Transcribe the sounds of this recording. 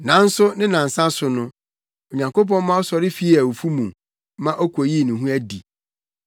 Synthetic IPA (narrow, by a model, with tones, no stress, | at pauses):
nã˨˦n̩˦sʊ˦nɪ̃˦nã˨n̩˨sã˦sʊ˨nʊ̃˦ | o˨ɲã˨ŋko˦p̬ɔ̃˦m˦mã˦ɔ˦sɔ˨ɾɪ˦fi˦æ˨wu˨fu˦mũ˨m | mã˦ʔɔ˦kʰo˨ji˦˨nĩ˨ɦũ˦æ˦di˨